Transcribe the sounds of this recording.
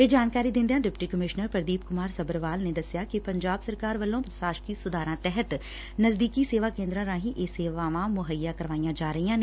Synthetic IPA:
ʋeːd͡ʒaːnkaːɾiːd̪ɪ̃nd̪eãːɖɪpʈiːkəmɪʃnəɾpəɾd̪iːp̚kʊmaːɾsəbəɾʋaːlneːd̪əsɪjaːkɪpəɲd͡ʒaːbsəɾkaːɾʋəlːõːpɾəsaːʃkiːsʊd̪aːɾãːt̪ɛɦət̪ | nəzd̪iːkiːseːʋaːkẽːnd̪ɾãːɾãːɦĩːʔeːseːʋaːʋãːmʊɦəjːaːkəɾʋaːijãːd͡ʒaːɾəɦiːãːneː

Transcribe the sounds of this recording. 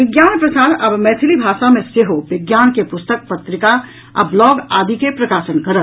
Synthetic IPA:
ʋɪɡjaːnpɾɐsaːd̪ɐbmɛːt̪ʰɪlibʱaːʃamẽseɦoʋɪɡjaːnkepʊst̪ək̚pɐt̪ɾɪka | ɐblɔːɡaːd̪ʱikepɾɐkaːsənkɐɾət̪

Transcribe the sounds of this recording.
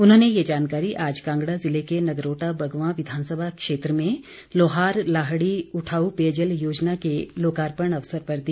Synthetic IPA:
ʊnɦõːnejed͡ʒaːnkaːɾiʔaːd͡ʒkãːŋɡɽazɪlekenɐɡɾoːʈabʱɐɡʋãːʋɪd̪ʱaːnsəbʱakʃeːt̪ɾəmẽ | loːɦaːɾlaːɦɽiʊʈʰaːupeːd͡ʒəljoːd͡ʒnakeloːkaːɾpəɳ̃ɐʋsəɾpɐɾd̪i

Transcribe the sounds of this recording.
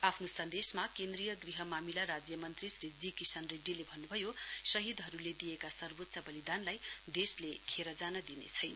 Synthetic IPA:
apʰnosʌnd̪esmakend̪rijʌɡriɦʌmamilaɾad͡zjʌmʌnt̪risrid͡zikisʌnreɖːilebʱʌnːubʱʌjosʌɦid̪ɦʌɾuled̪ijekasʌrbot̪sʌbʌlid̪anlajd̪eslekʰeɾʌd͡zanʌd̪inḛt͡sʰʌjn

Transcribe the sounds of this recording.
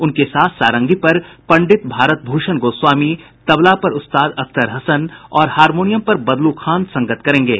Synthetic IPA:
ʊnkesaːt̪ʰsaːɾə̃ŋɡipɐɾpɐ̃ɳɖɪt̪bʱaːɾət̪̚bʱuːʃənɡoːswaːmi | t̪ɐʋlapɐɾʊst̪aːd̪ɐkt̪əɾɦɐsənɔːɾhaːɾmoːnijəmpɐɾbɐd̪lukʰãːnd̪sɐ̃ŋɡət̪kɐɾẽːŋɡeː

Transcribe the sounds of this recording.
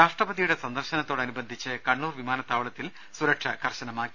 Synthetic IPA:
ɾaːʂʈrɐbɐðijuɽe̞sɐnd̪ɐrɕɐnɐt̪ːoːɽɐnubɐnd̪ʱit͡ɕːɨkɐɳːuːrʋimaːnɐt̪ːaːʋɐɭɐt̪ːil | suɾɐkʂɐkɐrɕɐnɐmaːkːi

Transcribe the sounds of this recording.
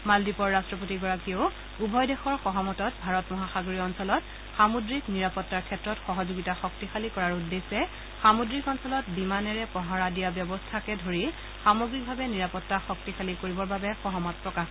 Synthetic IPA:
maldipɔɹːastɹɔp̬otiɡɔɹakio | ubʱɔjdɛxɔɹxɔɦɔmɔtɔt̚bʱaɹɔtmɔɦaxaɡoɹiɔnsɔlɔt | xamudɹikniɹapɔtːaɹkʰɛtɹɔtxɔɦɔzoɡitaxɔk̚tixalikɔɹaɹudːesɛ | xamudɹikɔnsɔlɔtbimanɛɹɛpɔɦaɹadijabjɔbɔstʰakɛdʱoɹi | xamoɡɹik̚bʱabɛniɹapɔtːaxɔk̚tixalikoɹibɔɹbabɛxɔɦɔmɔt̚pɹɔkax

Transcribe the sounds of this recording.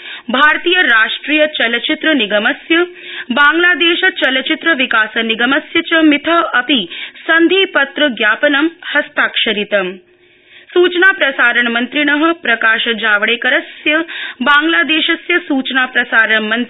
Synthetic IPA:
bʱaːɾt̪iːjɐɾaːʂʈɾiːjɐt͡ʃɐlɐt͡ʃit̪ɾɐniɡɐmɐsjɐbaːŋɡlaːd̪eːʃɐt͡ʃɐlɐt͡ʃit̪ɾɐʋikaːsɐniɡɐmɐsjɐt͡ʃɐmit̪ʰɐɐpisɐnd̪ʱiːpɐt̪ɾɐɡjaːpɐnɐmhɐst̪aːkʃɐɾit̪ɐm | suːt͡ʃnaːpɾɐsaːɾɐɳmɐnt̪ɾiɳɐɦɐ̆pɾɐkaːʃɐd͡ʒaːʋɐɽeːkɐɾɐsjɐbaːŋɡlaːd̪eːʃɐsjɐsuːt͡ʃnaːpɾɐsaːɾɐɳmɐnt̪

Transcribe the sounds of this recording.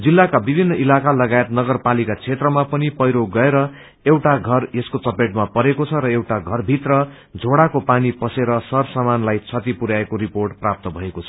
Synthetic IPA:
d͡zilːakabibʱinːʌʔilakalʌɡaet̪nʌɡʌrpalikat͡sʰet̪rʌmapʌnipʌjɾoɡʌeɾʌ | ewʈaɡʱʌreskot͡sʌpeʈ̚mapʌɾekot͡sʰʌɾʌewʈaɡʱʌrbʱit̪rʌ | d͡zʱoɽakopanipʌseɾʌsʌrsamanlajt͡sʰʌt̪ipuɾaekoɾiporʈprap̚t̪ʌbʱʌekot͡sʰʌ̥

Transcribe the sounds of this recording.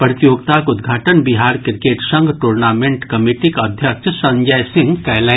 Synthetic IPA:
pɾət̪ijoːɡ̚t̪aːkʊd̪ɡʱaːʈənbiɦaːɾkɾɪkeːʈʃɐ̃ŋɡʈuɾnaːmẽɳʈkɐmiʈikɐd̪ʱjəkt͡ʃsɐ̃ɲd͡ʒəjsɪ̃ŋɡkɛjlɛ

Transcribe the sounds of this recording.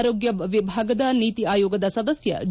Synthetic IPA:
ɾoːɡjɐʋibʱaːɡɐd̪ɐniːt̪iaːjoːɡɐd̪ɐsɐd̪ɐsjɐ̰

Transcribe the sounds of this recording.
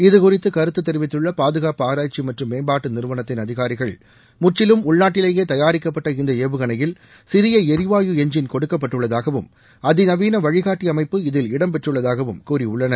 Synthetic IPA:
ɪðɯkʊrɪt̪ːɯkɐɾɯt̪ːɯt̪ːɛɾɪʋɪt̪ːɯɭːɐpaːðɯɣaːpɯaːɾaːt͡ʃimɐʈrɯmːeːmbaːʈːɯnɪɾɯʋɐnɐt̪ːɪnɐðɪɣaːɾɪɣɐɭ | mʊt͡ʃːɪlɯmʊɭnaːʈːɪleːjeːt̪ɐjaːɾɪkːɐpːɐʈːɐɪnd̪ɐeːʋɯɣɐnɐjɪl | sɪɾɪjɐɛɾɪʋaːjɯɛɲd͡ʒɪnkɔɽɯkːɐp̬ːɐʈːɯɭːɐðaːɣɐʋɯm | ɐðɪnɐʋiːnɐʋɐɻɪɣaːʈːiɐmɐɪpːɯɪðɪlɪɽɐmpɛʈrɯɭːɐðaːɣɐʋɯmkuːriʊɭːɐnɐ

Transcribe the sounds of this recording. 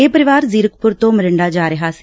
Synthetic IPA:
eːpəɾɪʋaːɾziːɾəkpʊɾt̪õːməɾəɳɖaːd͡ʒaːɾəɦaːsi

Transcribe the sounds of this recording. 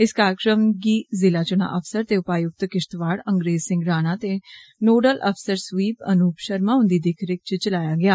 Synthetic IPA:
ɪskaːɾəkɾəmɡiːzɪlaːt͡ʃʊna̰ːʔəpʰsəɾt̪eːʊpaːjʊk̚t̪kɪʃt̪ʋaːɽə̃ŋɡɾeːzsɪ̃ŋɡɾaːnaːt̪eːnoːɖəlʔə̰pʰsəɾsʋiːpənuːpʃəɾmaːʊ̃nd̪iːd̪ɪkʰɾɪk̚t͡ʃt͡ʃəlaːjaːɡɪaː

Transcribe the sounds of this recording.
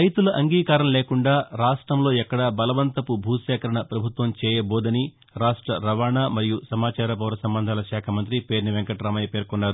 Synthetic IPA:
ɾɐjt̪ulɐʔɐŋɡiːkaːɾɐmleːkuɳɖaːɾaːʂʈɾɐmlo̞ːɛkːɐɽabɐlɐʋɐnt̪ɐpubʱuːt̪ʃaːkɐɾɐɳɐpɾɐbʱut̪ʋɐmt͡ʃɛːjɐbɔːd̪ɐni | ɾaːʂʈɾɐɾɐʋaːɳaːmɐɾijusɐmaːt͡ʃaːɾɐp̬ɐʋɾɐsɐmbɐnd̪ʱaːlɐʃaːkʰɐmɐnt̪ɾipe̞ːɾnɐʋeŋkɐʈɾaːmɐjɐpe̞ːɾkɔnːaːɾu

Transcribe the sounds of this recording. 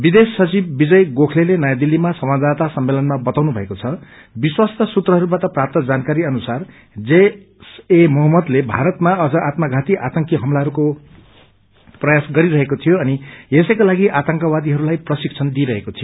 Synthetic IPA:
bid̪esːʌt͡sibːid͡zʌjɡokʰlelenʌjad̪ilːimasʌmad͡zd̪at̪asʌmːelʌnmabʌt̪awnubʱʌekot͡sʰʌ | biswast̪ʌsut̪rʌɦʌɾubat̪ʌprap̚t̪ʌd͡zankaɾiʌnusar | d͡ze | semʌɦmːʌd̪lebʱa̰ɾʌt̪maʌd͡zʌʔat̪mʌɡʱat̪iʔat̪ʌŋkiɦʌmlaɦʌɾuko | prʌjasɡʌɾiɾʌɦekot̪ʰijoʌniesʌjkolaɡiʔat̪ʌŋkʌwad̪iɦʌɾulajprʌsikt͡sʰʌnd̪iɾʌɦekot̪ʰijo

